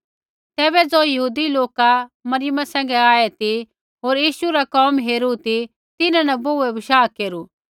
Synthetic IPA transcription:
t̪ɛːbɛd͡zoːjɐɦuːd̪iloːkamɐɾɪjəmasɛ̃ːŋ̆ɡɛaːɛt̪i | ɦoːɾjiːʃuɾakɔːmɦeːɾut̪i | t̪ɪnãnɐboɛʋɪʃaːkeːɾu

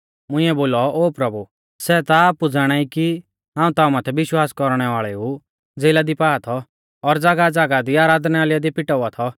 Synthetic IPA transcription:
mʊ̃ɪĩɛboːlɔoːpɾɐbu | sɛːt̪aːpud͡zaɽ̃aːiki | ɦãːũt̪aːũmat̪ʰɛbɪʃwaːskɔɾɽ̃ɛʋaːɭɛu | d͡zeːlad̪ipaːat̪ʰɔ | ɔɾd͡zaːɡad͡zaɡad̪iaːɾaːd̪nɛaːlɪjad̪ipɪʈɔat̪ʰɔ

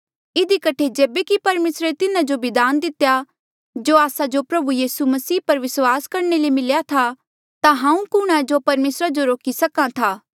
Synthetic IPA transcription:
ɪd̪ikɐʈʰed͡ʒeːbekipɐɾmeːsɾet̪ɪnãd͡ʒobɪd̪aːnd̪ɪt̪ja | d͡ʒoːaːsad͡ʒopɾɐbujiːsumɐsiːpɐɾʋɪswaːskɐɾnelemɪljat̪ʰa | t̪ãɦãːũkʊɽ̃ad͡ʒopɐɾmeːsɾad͡ʒoɾoːkisɐkãt̪ʰaː

